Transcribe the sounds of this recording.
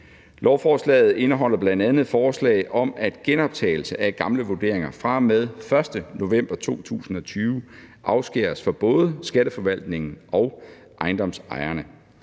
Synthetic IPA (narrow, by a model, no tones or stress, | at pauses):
lɒʊfɒːslɛ̰ːð̩ˠe̝nəɦɒ̽l̰ɐb̥lænd̥ænð̞̩ˠfɒːslɛ̰ɪʔɒ̽mæd̥ɡ̥enɒ̽b̥̚t͡sʰɛ̰ːɪl̩səʔæɡ̥ɑ̈mləʋo̝d̥e̝̰ɐ̰eŋɐfʁɑ̈með̞ˠfɶɐsd̥əno̝ʋem̰b̥ɐt͡sʰo̝̰ːt͡sʰṵːsn̩ɒ̽t͡sʰyːʊʔɑ̈ʊsɡ̥eɐsfɒ̽b̥ɔ̽ːðˠəsɡ̥æɾ̥əfɒ̽ʋæl̰d̥ne̝ŋn̩ʔɒ̽ʊ | ʔɑ̈ɪndɒ̽msɑ̈ɪɐnə